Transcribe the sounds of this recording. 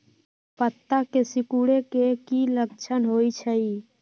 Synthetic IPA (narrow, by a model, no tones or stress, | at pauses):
pət̪ːakesɪkuɽekekiləkt͡ʃʰənɦoːit͡ʃʰəi